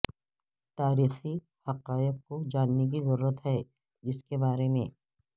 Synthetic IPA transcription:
t̪aːɾiːxi | hɐqaːɪq̚kod͡ʒaːnːek̬izɐɾuːɾət̪ɦɛ | d͡ʒɪskebaːɾemḛ̃ː

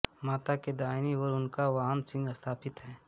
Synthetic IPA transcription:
maːt̪aked̪aːɪniɔɾʊnkaʋaːɦənsɪ̃ŋɡɐst̪ʰaːpʰɪt̪ɦɛː

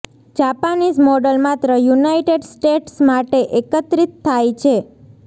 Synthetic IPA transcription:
d͡ʒapanismɔɖəlmat̪ɾəjunajʈeɖsʈeʈsmaʈeʔekət̪ɾit̪ʰːajt͡ʃʰe

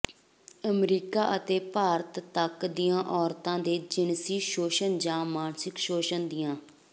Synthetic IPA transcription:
əmɾiːkaːʔət̪eːpaːɾət̪ːəkd̪ɪjãːʔɔːɾt̪ãːd̪eːd͡ʒɪnsiːʃoːʃənd͡ʒãːmaːɳsɪkʃoːʃənd̪ɪjãː

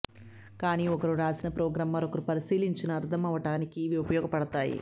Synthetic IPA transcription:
kaːniːɔkɐɾuɾaːsinɐpɾɔːɡɾaːmːɐɾokɐɾupɐɾisiːliɲt͡ʃinɐːɾd̪ʰʱɐmɐʋɐʈaːnikiʋiupɐjɔːɡɐpɐɽɐt̪aːjḭ

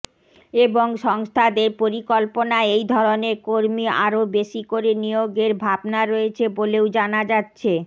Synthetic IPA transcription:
eboŋʃɔŋst̪ʰad̪eɾpoɾikolponaejd̪ʱɔɾoneɾkoɾmia̰ɾobeʃikoɾenijoɡeɾbʱabnaɾoet͡ɕʰeboleod͡ʑanad͡ʑatːɕʰe

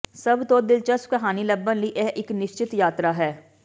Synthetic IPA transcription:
səbt̪õːd̪ɪlt͡ʃəskəɦaːniːləbːənləiːʔɛːʔɪknɪʃt͡ʃɪt̪jaːt̪ɾaːɦɛː

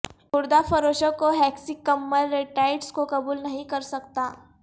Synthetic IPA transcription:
ʊɾd̪afəɾoːʃəkːoɦɛksikːəmːəɾːeʈaɪʈskokɐbuːlnɐɦĩkɐɾsɐk̚t̪aː

